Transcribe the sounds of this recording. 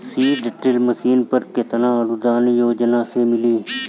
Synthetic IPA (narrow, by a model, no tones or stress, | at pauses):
siːɖɪʈɾɪlməsiːnpəɾkɪt̪nãːəlud̪aːnjoːd͡ʒnãːseːmɪliː